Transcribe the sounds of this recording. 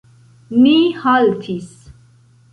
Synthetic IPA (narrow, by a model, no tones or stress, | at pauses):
mihalt̪ʰis